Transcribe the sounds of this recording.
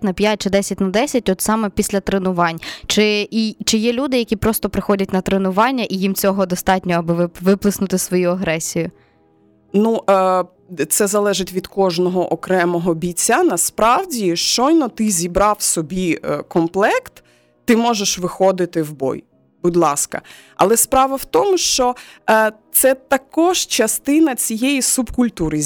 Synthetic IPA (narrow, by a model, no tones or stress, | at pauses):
nɐpʲjat̚ʲt͡ʃɪd̪ɛsʲɐtʲnɐd̪ɛsʲɐtʲɔt̪sɑmɛpʲisʲlʲɐt̪ɾenʊʋɑnʲt͡ʃɪit͡ʃɪjɛlʲud̪ɪjɐkʲipɾɔst̪ɔpɾɪxɔdʲɐtʲnɐt̪ɾenʊʋɑnʲːɐʔijimt͡sʲɔɦɔd̪ɔst̪ɑtʲnʲɔɐbɪʋɪʋɪplˠɪsnʊt̪ɪsʋɔjuɐɦɾɛsʲijʊ | nuʔ | t̪sɛzɐlˠɛʒɪtʲʋʲid̪kɔʒnɔɦɔʔɔkɾɛmɔɦɔbʲit͡sʲːɐnɐspɾɑwdʲiʃt͡ʃɔjnɔt̪ɪzʲibɾɑwsɔbʲikɔmplˠɛkt̪ː | ɪmɔʒeʃʋɪxɔd̪ɪt̪ɪwbɔ̰j | bud̪ʲlˠɑskɐ̰ | ɐ̰lˠɛspɾɑʋɐwt̪ɔmʊʃt͡ʃɔ | t̪sɛt̪ɐkɔʒt͡ʃɐst̪ɪnɐt͡sʲijɛjisubkʊlʲt̪uɾɪ